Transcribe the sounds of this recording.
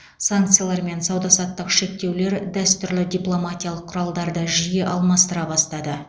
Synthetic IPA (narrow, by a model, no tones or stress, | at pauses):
saŋkt̪sɨjalˠɑɾme̞nsɑwd̪ɑsɑt̪ːəqʃe̞k̚t̪e̞wle̞ɾd̪æst̪ʏɾlɪd̪ʲijplˠo̞mat̪ʲijalˠəqʰːʊɾɑlˠd̪ɑɾd̪əʒijeʔɑlˠmɑst̪əɾɑbɑst̪ɑd̪ə